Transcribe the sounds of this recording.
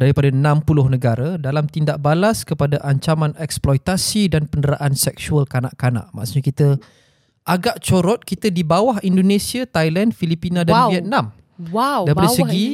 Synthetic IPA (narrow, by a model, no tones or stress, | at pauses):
d̥aɾipadanãmpulʊhnə̃ɡaɾadalamt̪indaʔbalaskəpadaʔaɲt͡ʃamãnɛksplɔjt̪asidanpəndəɾaʔansɛksualkana̰ʔkana̰ʔmã̰ʔsuʔɲakit̪ə | ʔaɡaʔt͡ʃoɾɔt̪̚kit̪ədibawaɦindonẽsiat̪ajlɛndfilipinãdanviɛt̪̚nãm | wadaipadasəɡi